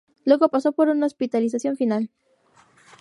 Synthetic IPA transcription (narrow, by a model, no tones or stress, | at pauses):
lwe̞ɣo̞pasopo̞ɾunaospit̪alis̬asjo̞ɱfinal